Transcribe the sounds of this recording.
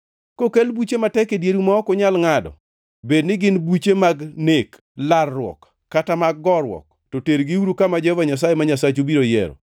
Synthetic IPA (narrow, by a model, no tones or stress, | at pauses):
kokelbut͡ʃematɛkedjeɾumaɔkʊɲalŋadɔ̰ | bednɪɡɪnbut͡ʃemaɡnek | larːwɔ̰kː | atamaɡɡɔɾwɔ̰k̚ | tɔteɾɡɪuɾukamad͡ʒɛvaɲas̬ajemaɲasat͡ʃobiɾojɛ̰ɾɔ̰